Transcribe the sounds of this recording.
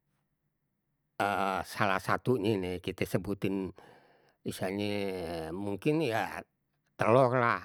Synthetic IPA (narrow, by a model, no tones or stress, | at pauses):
əsalahsat̪uɲɛnɛkit̪ɛsəbut̪ɪn | isaɲemuŋkɪnja | t̪əlɔklah